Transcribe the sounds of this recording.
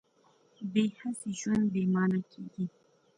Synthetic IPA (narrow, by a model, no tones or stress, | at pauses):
behasiʒwand̪bemɑːnakʰeɡi